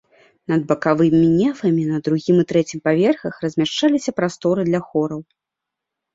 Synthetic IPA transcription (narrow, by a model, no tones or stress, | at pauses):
nɐd̪̚bɐkavɨmʲinʲɛfɐmʲinɐd̪ɾuɣʲimɨt̪ɾɛt͡sʲimpavʲɛrxɐxrɐzʲmʲaʂt͡ʂalʲisʲɐpɾast̪ɔɾɨd̪lʲɐxɔɾɐw